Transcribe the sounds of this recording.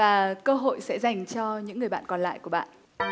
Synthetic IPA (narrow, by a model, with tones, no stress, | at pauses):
aː˨˩kəː˧ɦo̰˧˨jsɛ̰˧˥za˨˩jŋ̟t͡ɕɔ˧ɲɨ̰˧˥ŋːɨ˨˩əjɓa̰ː˧˨nkɔ˨˩nla̰ː˧˨jku˧˩əɓa̰ː˧˨nʔ